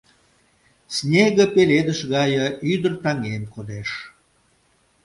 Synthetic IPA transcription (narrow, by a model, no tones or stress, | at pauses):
snʲeɣə̆peled̪əʃɣɑjə̆yd̪ərt̪ɑŋemkod̪eʃ